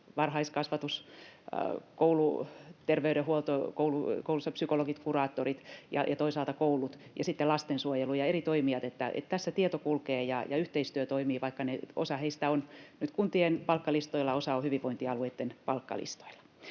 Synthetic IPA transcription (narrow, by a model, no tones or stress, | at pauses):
ʋɑrhɑiskɑsʋɑt̪us | koulut̪erʋeyɾehuolt̪okoulukoulusːɑpsykoloɡit̪kurɑːt̪ːorit̪jɑ̰jɑt̪oisɑlt̪ɑkoulut̪jɑ̰sit̪ːelɑst̪ensuojelujɑerit̪oimiɑt̪et̪ːæʔḛt̪t̪æsːæt̪iet̪okulkeːjɑjɑ̰yht̪eist̪yøt̪oimiːʋɑikːɑneo̰sɑheist̪æonnyt̪kunt̪ienpɑlkːɑlist̪oilːɑosɑohyʋiʋʋoint̪iɑlueit̪ːenpɑlkːɑ̰lḭst̪o̥ilɑ̥